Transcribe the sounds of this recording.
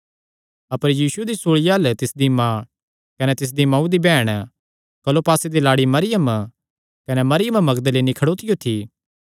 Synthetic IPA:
ɐpəɾjiːsued̪isoːɭijaɐlt̪ɪsd̪imã | kɐnɛt̪ɪs̬d̪imɐ̃ũd̪ibɛːɽ̃ | kɐlopaːsed̪ilaːɽimɐɾɪjəm | kɐnemɐɾɪjəmmɐɡd̪əlenikʰɐɽoːt̪ɪjot̪ʰiː

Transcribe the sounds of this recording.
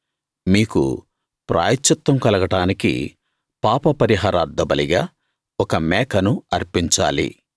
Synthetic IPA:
miːkṵ | pɾʔa̰ːjɐt̪ːɐt̪wɐmkɐlɐɡɐʈaːnikḭ | paːpɐpɐɾiɦaːɾaːɾd̪ːɐbɐliɡaː | ɔkɐmɛːkɐnuɐɾpiɲt͡ʃa̰ːlḭ

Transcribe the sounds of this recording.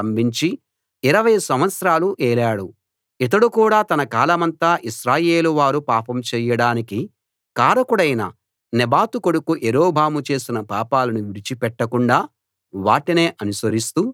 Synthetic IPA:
ɐmbʱiɲt͡ʃi | iɾɐʋɐjsɐmʋɐt̪sɾaːluʔɛːlaːɽu | it̪̬ɐɽukuːɽaːt̪ɐnɐkaːlɐmɐnt̪aːʔiʃɾaːje̞ːluʋaːɾupaːpɐmt͡ʃɛːjɐɽaːniki | kaːɾɐkuɽɐjnɐ̰ | nɛbaːt̪ukoɽukuʔeɾoːbʱaːmut͡ʃe̞ːsinɐpaːpaːlɐnuʋiɾit͡ʃipɛʈːɐkuɳɖaː | ʋaːʈine̞ːʔɐnusɐɾist̪u

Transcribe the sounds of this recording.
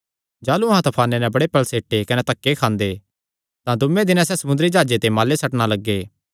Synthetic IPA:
d͡ʒaːluɐɦãt̪ʰɐpʰaːnenɛ̃bɐɽepɐlseːʈːekɐnɛt̪ɐkːekʰãːnd̪e | t̪ãd̪ʊmːẽd̪ɪnãsɛsɐmʊ̃nd̪ɾid͡ʒaːd͡ʒet̪emaːlesɐʈɽ̃alɐɡːeː

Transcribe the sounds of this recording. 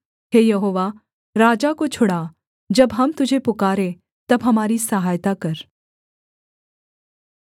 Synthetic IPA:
ɦeːjɐɦoːʋa | ɾaːd͡ʒakot͡ʃʰʊɽa | d͡ʒɐbɦɐmt̪ʊd͡ʒʱepʊkaːɾe | t̪ɐbɦɐmaːɾisəɦaːjt̪akɐɾ

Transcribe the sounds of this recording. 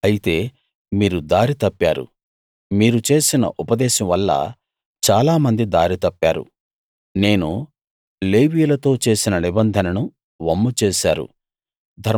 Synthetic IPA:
ɐjit̪e̞ː | miːɾud̪aːɾit̪ɐpːaːɾṵ | miːɾut͡ʃe̞ːsinɐ̰ʔupɐd̪ɛːʃɐmʋɐlːɐ̰ | t͡ʃaːlaːmɐnd̪id̪aːɾit̪ɐpːa̰ːɾṵ | ne̞ːnu | leːʋiːlɐt̪o̞ːt͡ʃe̞ːsinɐnibɐnd̪ʱɐnɐnu | ʋɐmːut͡ʃeːʃaːɾṵ | d̪ʱɐɾ

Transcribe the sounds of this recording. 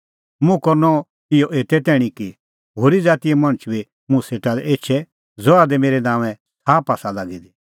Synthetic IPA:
mũkɔɾnɔ | ɪjɔʔeːt̪ɛt̪ɛːɽ̃iki | ɦoːɾid͡zaːt̪ijɛmɐ̃ɽ̃ət͡ʃbi | mʊ̃seːʈalɛeːt͡ʃʰɛ | d͡zɔad̪ɛmeːɾɛnãːʋɛ̃ | saːpaːsalaɡid̪i

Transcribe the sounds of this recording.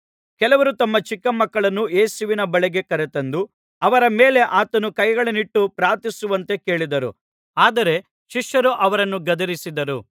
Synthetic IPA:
kɛlɐʋɐɾut̪ɐmːɐt͡ʃikːɐmɐkːɐɭɐnːueːsuʋinɐbɐɭɛɡe̞kɐɾet̪ɐnd̪u | ɐʋɐɾɐme̞ːle̞ʔaːt̪ɐnukɐjɡɐɭɐniʈːupɾaːɾt̪isuʋɐnt̪e̞ke̞ːɭid̪ɐɾṵ | aːd̪ɐɾe̞ | ʃiʂːɐɾuʔɐʋɐɾɐnːuɡɐd̪ɐɾisid̪ɐɾu

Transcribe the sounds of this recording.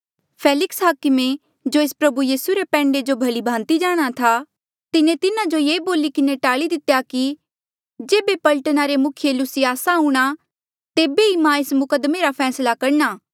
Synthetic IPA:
pʰeːlɪksɦaːkɪmẽ | d͡ʒoeːspɾɐbujiːsuɾepɛ̃ːɳɖed͡ʒobʱɐlibʱãːnt̪id͡ʒaːɽ̃at̪ʰa | t̪ɪnẽt̪ɪnãd͡ʒojeːboːlikɪneʈaːɭid̪ɪt̪jaki | d͡ʒeːbepɐlʈənaɾemʊkʰɪjelʊsiaːsaɦũːɽ̃a | t̪eːbeimãeːsmʊkəd̪meɾapʰɛːslakɐɾnaː

